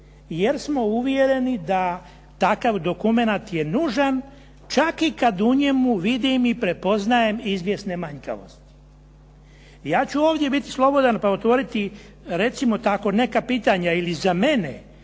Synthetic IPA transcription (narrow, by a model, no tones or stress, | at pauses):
je̞ɾsmo̞uʋje̞ɾe̞nid̪a | t̪akaʋd̪o̞kume̞nat̪je̞nuːʒan | t͡ʃakikad̪uɲe̞muʋid̪imipɾe̞po̞znaje̞mizʋje̞snemaɲka̰ʋo̞̰st̪i̥ | jaːt͡ɕuoːʋd̪je̞bit̪i̥slˠo̞bo̞d̪anpaot̪ʋo̞ːɾit̪i | ɾe̞t̪simo̞t̪ako̞ne̞kapiːt̪aɲailizame̞nḛ